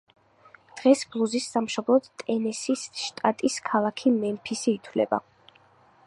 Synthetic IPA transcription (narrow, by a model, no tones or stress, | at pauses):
d̪̥ʁɛsblˠuzisːamʃɔblˠɔd̪t̪ʼɛnɛsisʃt̪ʼat̪ʼiskʰalˠakʰimɛmpʰisiːt̪ʰwlɛ̰ba̰